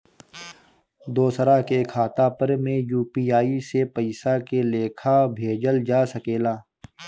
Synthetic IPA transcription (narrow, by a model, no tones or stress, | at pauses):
d̪oːsəɾakekʰaːt̪apəɾmẽjuːpiːaːisepəɪsakeleːkʰabʱeːd͡ʒəld͡ʒaːsəkeːlaː